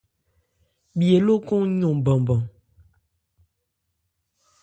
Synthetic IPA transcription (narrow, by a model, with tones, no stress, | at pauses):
bje˨lo˦ko˦ŋɲu˨bɔ˨ŋbɔ˨ŋ